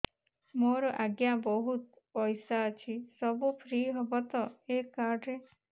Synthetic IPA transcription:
moɾɔʔaɡjabɔɦut̪ | pɔjsaɔt͡ʃʰisɔbupʰɾiɦɔbɔt̪ɔekaɾɖɾe

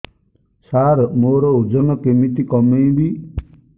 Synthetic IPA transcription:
saɾmoɾɔud͡ʒɔnɔkemit̪ikɔmejbi

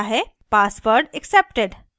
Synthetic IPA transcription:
aɦe | pasʋəɾɖeksep̚ʈeɖ

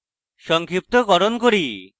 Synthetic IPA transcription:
ʃɔŋkʰɾip̚t̪okɔɾonkoɾi

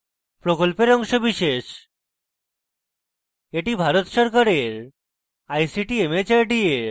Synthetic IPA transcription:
pɾokolpeɾɔŋʃobiʃeʃ | eʈibʱaɾot̪ʃɔɾkaɾeɾ | ajsiʈiemet͡ɕaɾɖieɾ

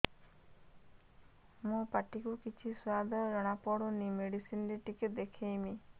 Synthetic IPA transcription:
mõpaʈikukit͡ʃʰiswad̪ʱɔɾɔɽ̃apɔɽonimeɽisindiʈiked̪ekʰejmi

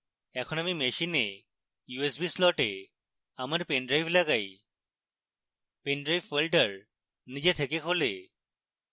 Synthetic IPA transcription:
ɛkʰɔñamimeʃine | juesbislɔʈe | amaɾpenɖɾajfʰlaɡaj | peɳɖɾajfelɖəɾ | nid͡ʑet̪ʰekekʰole

